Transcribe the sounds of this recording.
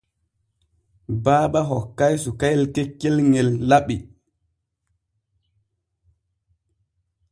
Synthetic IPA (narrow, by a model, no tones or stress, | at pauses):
baːɓaɦɔkːajsukajlkekːelŋelːaɓi